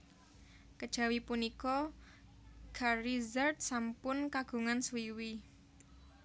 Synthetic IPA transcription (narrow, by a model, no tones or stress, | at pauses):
kəd̥ʒ̥a̤wipunikɔ | ɡ̥ʰarizərt̪̚sampʊnkaɡ̥ṳŋanswiwi